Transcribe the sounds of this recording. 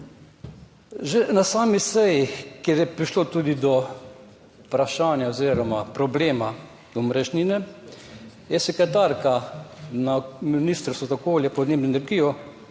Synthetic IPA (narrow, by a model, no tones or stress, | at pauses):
ʒenasaːmisɛjikeɾjɛpɾiʃloːt̪uːd̪id̪ɔ | pɾaʃaːnjaoziːɾɔmapɾɔbleːma | umɾɛʒninɛ | jɛsɛkɾɛt̪aːɾkanaminist̪ɾst̪ozaokoːljapɔd̪neːbnoɛnɛɾɡijɔ